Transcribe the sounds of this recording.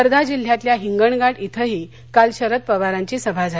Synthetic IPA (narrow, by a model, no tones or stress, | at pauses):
əɾd̪ʱad͡ʑil̤ːjat̪ljaɦiŋɡəɳɡaʈit̪ʰəɦiː | kalɕəɾət̪̚pəʋaɾaɲt͡ɕiːsəbʱad͡za